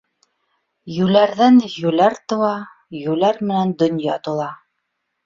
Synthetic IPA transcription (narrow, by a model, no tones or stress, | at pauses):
jʉlæɾðænjʉlæɾt̪ɤ̆wɑ | jʉlæɾmɘ̆nænd̪ɵ̆njɑt̪ŏlˠɑ